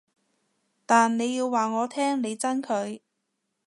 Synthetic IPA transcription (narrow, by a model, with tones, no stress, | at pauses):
t̪aː˨nne˨˧jiː˧wːaː˨ŋɔː˨˧t̪ʰɛː˥ŋne˨˧jt͡sɐ˥nkʰɵ˨˧ɥ